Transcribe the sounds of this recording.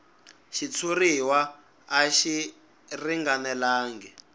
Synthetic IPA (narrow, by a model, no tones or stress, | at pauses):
ʃit͡sʰuɾiwaː | ʃi | riŋɡanɛlaːŋɡɛ